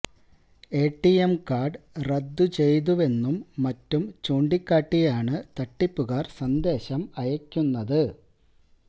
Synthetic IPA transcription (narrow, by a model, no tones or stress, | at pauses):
e̞ːʈːijemkaːɖrɐd̪ːut͡ɕe̞jt̪̬uʋe̞nːumːɐtːumt͡ɕoːɳɖikʲːaːʈːijaːɳɨt̪ɐʈːipːuɣaːrsɐnd̪e̞ːɕɐmɐjɐkʲːunːɐðɨ